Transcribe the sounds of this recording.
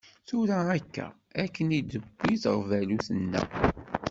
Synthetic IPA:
θuɾæækːæ̰ | ækːənid̪əbːiθə̰ʁvæluθənːæ̰

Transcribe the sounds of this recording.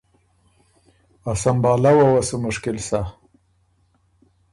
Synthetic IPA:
asambɑːlawawasumʊʂkɪlsa

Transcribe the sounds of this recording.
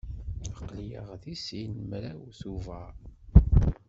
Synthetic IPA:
əqːlijə̰ʁðisinmɾæwθuvæ

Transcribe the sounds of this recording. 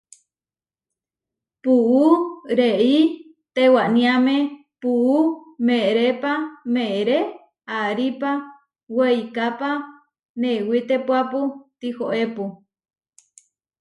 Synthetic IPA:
puuɾei | t̪ewanĩamẽ | puʔumẽɾepamẽeɾe | aɾipa | wejkapa | newit̪epwaput̪ihoʔepu

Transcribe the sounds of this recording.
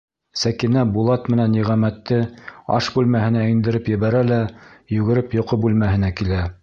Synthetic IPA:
sækinæbulˠɑt̪mɘ̆nænːiʁæmæt̪ːɘɑ̰ʃbʉlmæhɘ̆næind̪ɘ̆ɾɘpjɘ̆βæɾælæjɵɡɘ̆ɾɘpjŏqɤbʉlmæɦɘ̆nækilæ

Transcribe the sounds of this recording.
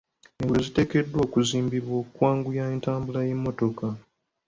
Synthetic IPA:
eŋɡuozite̞ːke̞dːwoːkuziːmbiβwo̞kwaːŋɡujaentaːmbulaje̞mːo̞to̞ka

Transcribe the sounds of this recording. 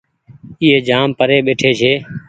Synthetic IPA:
ɪːɦeːd͡ʒaːmpəɾeːɓeːʈʰeːt͡ʃʰeː

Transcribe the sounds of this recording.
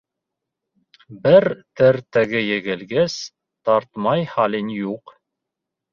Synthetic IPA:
bɘɾt̪ɘɾt̪æɡɘjɘ̆ɡɘ̆lɡæs | t̪ɑɾt̪mɑjhɑlinjuq

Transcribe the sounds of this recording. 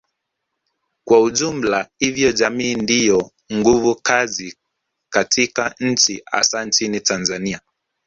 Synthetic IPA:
kwauʄum̩lahivjɔʄamiːndijɔ | ŋɡuvukazi | katʰikaɲ̩t͡ʃia̰sant͡ʃinitanzania

